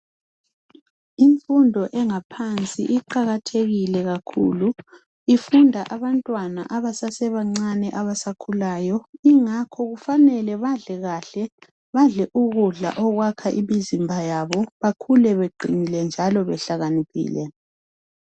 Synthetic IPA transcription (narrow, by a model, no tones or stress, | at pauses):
iɱfundʱɔʔɛŋapʰant͡sʼḭʔiǃaɣatʰeɣilɛɣakʰṵːlu | ifundʱaʔaβantʼwana̰ʔaβasasɛβaŋ͡ǀanɛʔaβasakʰulaːjɔiŋakʰɔɣufanɛlɛβaɮɛɣaːɬɛ | βaɮɛʔuɣuɮa̰ʔɔɣwakʰaʔḭmizimbʱajaβɔβakʰulɛβeɡ͡ǀʱinilɛnd͡ʒʱalɔβɛɬaɣanipʰḭːlɛ